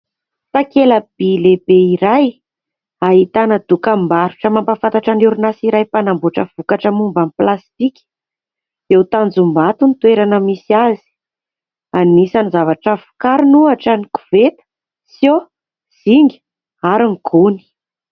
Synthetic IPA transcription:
t̪akeləb̥ilebeiɾaj | aɦit̪anəd̪̥ukambaɾuʈ͡ʂəmampafant̪aʈ͡ʂanuɾunasiɾajpanambuʈ͡ʂəv̥ukaʈ͡ʂəmumbamplast̪ikʲi̥ | ewt̪and͡zumbat̪unit̪weɾanəmisiazi̥ | anːisanizavaʈ͡ʂəfu̥kaɾinuaʈ͡ʂəniku̥v̥et̪ə̥ | sjo | z̥iŋɡi̥ | aɾiŋɡ̥uni̥

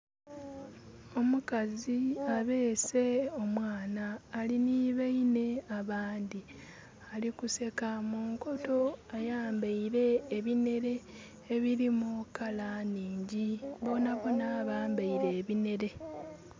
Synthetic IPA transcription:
o̞mukaziaβe̞ːse̞o̞mwaːnaːliniːβaine̞aβaːndi | alikuse̞kamuːŋko̞to̞ajaːmbaiɾe̞ːβine̞ɾe̞ː | βiɾimukalaniːɲɟiβo̞naβonaːβaːmbaiɾe̞ːβine̞ɾe̞

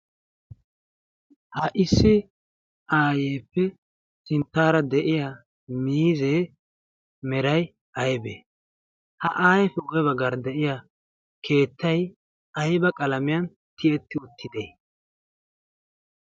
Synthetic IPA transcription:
hɐʔɪsːɪ | ʔaːjeːpːɛ | sɪnt̪ːaːɾɐd̪ɛʔɪja | miːzeː | mɛɾɐj | ʔɐjbḛː | hɐʔaːjɛfɛwɔjɛβɐɡɐɾd̪ɛʔɪja | kʰe̞ːt̪ːɐj | ɐjbɐkʼɐlɐmɪjɐn | t̪ɪɛt̪ːɪʊt̪ːɪd̪ḛː

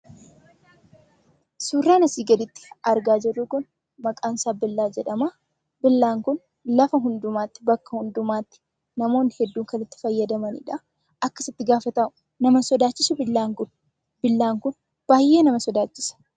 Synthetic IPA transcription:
suːrːaːnɐsiːɡɐd̪ɪt̪ːɪ̥ɐɾɡaːd͡ʒɛrːuːkʊn | mɐkʼaːnsaːbɪlːaːd͡ʒɛᶑɐma | bɪlːaːŋkʊn | lɐfɐɦʊnd̪ʊmaːt̪ːɪ̥bɐkːɐhʊnd̪ʊmaːt̪ːɪ̥ | nɐmo̞ːnhɛd̪ːuːŋkɐnɪt̪ːɪ̥fɐjːɐd̪ɐmɐnɪ̰ᶑa | ʔɐkːɐsɪt̪ːɪɡaːfɐt̪ɐmʊ | nɐmɐsɔd̪aːt͡ʃːɪsʊbɪlːaːŋkʊn | b̥ɪlːaːŋkʊn | b̥aːjːe̞ːnɐmɐsɔd̪aːt͡ʃːɪsɐ̥

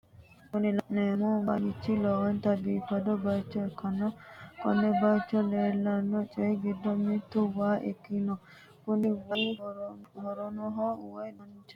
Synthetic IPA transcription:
kunilanɛmuba̰jit͡ʃːilɔwɔnt̪abipːadɔbat͡ʃːɔɛkːanakɔ̰nːɛbat͡ʃːɔlɛlanːɔt͡ʃʼɛɡidːɔmit̪ːuwaʔɛ̰kːinɔ | kuniwaj | hɔɾɔnɔɦɔwanɔnt͡ʃɛ

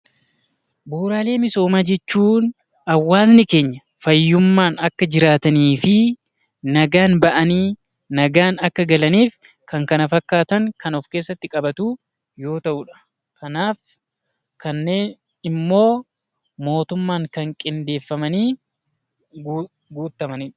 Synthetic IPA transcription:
buːɾaːle̞ːmɪso̞ːmaːd͡ʒɛt͡ʃːuːn | ɐwːaːznɪke̞ːɲːɐ | fɐjːʊmːaːnɐkːɐd͡ʒɪɾaːt̪ɐniːfɪ | nɐɡaːnbɐʔɐniː | nɐɡaːnɐkːɐɡɐlɐniːf | kʰɐŋkɐnɐfɐkːaːt̪ɐŋkɐnɔfkeːsːɐt̪ːɪkʼɐbɐt̪uː | jo̞ːt̪ɐʔʊᶑɐ̥ | kʰɐnaːf | kɐnːe̞ːn | ɪmːo̞ː | mo̞ːt̪ʊmːaːŋkɐŋkʼɪnd̪e̞ːfːɐmɐniː | ɡ | ɡuːt̪ːɐmɐniːᶑɐ̥

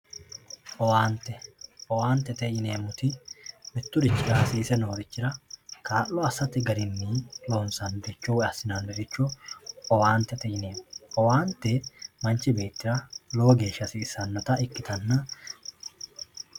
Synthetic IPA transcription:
ʔɔwaːnt̪ːɛɔwaːnt̪ɛt̪ɛjɪne̞ːmːʊt̪ɪmɛt̪ːʊdɪt͡ʃːɪɾaːsiːsɛnoːɾɪt͡ʃːɪɾɐkaːʔːɔɐsːɐt̪ɪɡɐɾɪnːiːloːnsɐnbɛt͡ʃːɔwɐsɪnɐnbɛɾɪt͡ʃːɔɔwaːnt̪ɛt̪ɛjɪne̞ːmɔwaːnt̪ːɛmɐnt͡ʃɪbe̞ːt̪ːɪɾɐloːɡe̞ːʃːɐsiːsɐnːɔt̪ɐɪkːɪt̪ɐnːɐ

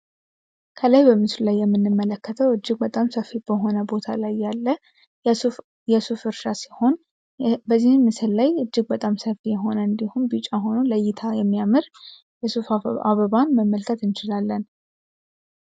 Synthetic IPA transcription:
kʰəlajbəmɨslulajːɛmːɨnːɨmːələkːət̪ʰəwɨd͡ʒːɪɡbət̪ʼamsəfːib̥əɦo̞nəbo̞t̪ʰalajːalːə | jɛsufɨɾʃasihon | bəzːihːɨsɨlːajɨd͡ʒːɪɡbət̪ʼamsəfijɛɦo̞nəɨnd̪ihumbɨt͡ʃʼaɦo̞nuləjːɪt̪ʰajɛmːijamɨɾ | jɛsufaβəβanməmːəlkʰət̪ɨnt͡ʃɪlalːən

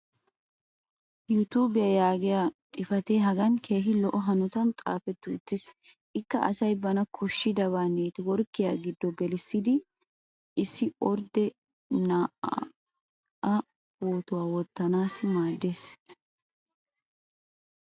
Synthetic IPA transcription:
jut̪uːbɪjɐjaːɡɪjaːt̪ʼɪfɐt̪eɦɐɡɐnkʰe̞ːɦɪlɔʔɔɦɐnɔt̪ɐmt̪ʼa̰ːfɛt̪ːʊɪt̪ːɪs | ʔɪkːɐ̰ʔɐ̰sɐjbɐnɐkʰɔʃːɪd̪ɐβaːneːt̪ɪwɔɾkːɪjaːɡɪd̪ːɔɡɛlɪsːɪd̪ɪ | ʔɪsːɪʔɔɾd̪ɛ | naːʔ | ɐ | boːt̪ʊwaːwɔt̪ːɐnaːsmaːd̪ːeːs

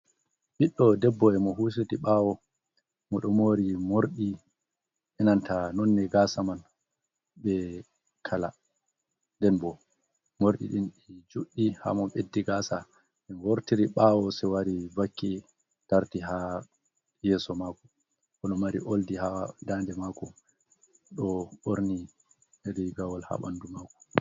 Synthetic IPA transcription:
ɓiɗːɔdɛbːɔɛmɔɦus̬etiɓawɔ | mɔɗɔmoɾimoɾɗi | ʔɛnantanɔnːɛɡaːsaman | ɓɛ | kʰala̰ | ndɛnbɔ | moɾɗḭɗinɗid͡ʒuɗːiha̰mɔɓedːiɡasa | ɛnwoɾtiɾiɓawɔsɛwaɾivakːi | taɾtiɦa | jɛːsɔmaːkɔ | ɔɗɔmaɾḭʔoldihadandɛmakɔ | ɗɔoɾni | ɾiɡawalha̰ɓandumaːkɔ̥

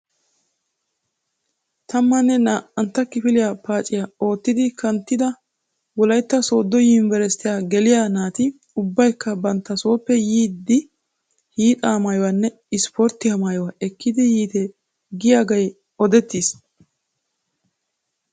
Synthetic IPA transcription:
t̪ʰɐmːɐnːɛnaːʔɐnt̪ːɐkɪfɪlɪjaːpaːt͡ʃʼːɪjao̞ːt̪ːɪd̪ɪkɐnt̪ːɪd̪ɐ | wɔlɐjt̪ːɐso̞ːd̪ːɔjɪnvɛɾɛst̪ɪjaɡɛlɪjaːnaːt̪ɪ | ʊbːɐjkːɐbɐnt̪ːɐso̞ːpːɛjiːd̪ːɪ | hiːt̪ʼɐːmɐjɔwɐnːɛ | ɪspɔɾt̪ːɪhɐmaːjɔwɐɛkːɪd̪ɪjiːt̪ɛ | ɡɪjaːɡɐj | ɔd̪ɛt̪ːis

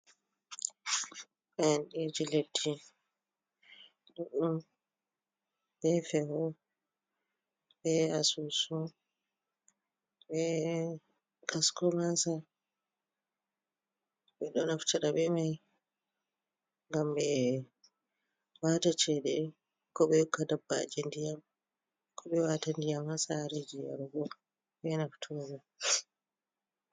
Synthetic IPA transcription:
ɓɛnɗid͡ʒiledːi | duɗum | bɛfɛhɔ | bɛasusu | ɓɛ | kaskɔmasa | bɛɗɔnaftaɗabɛmaj | ŋɡambɛ | waːtat͡ʃɛɗɛ | kɔɓɛkadabːa̰d͡ʒendijam | kʰɔɓɛwaːtandijamhasaɾed͡ʒija̰ɾɡɔ | bɛnaftʰuɡɔ

